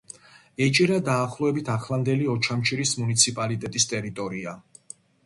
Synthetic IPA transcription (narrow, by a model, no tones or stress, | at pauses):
ɛt͡ʃʼiɾad̪aːχlˠɔɛbit̪ʰaχlˠand̪ɛliɔt͡ʃʰamt͡ʃʰiɾismunit̪sʰipʼalit̪ʼɛt̪ʼist̪ʼɛɾit̪ʼɔɾia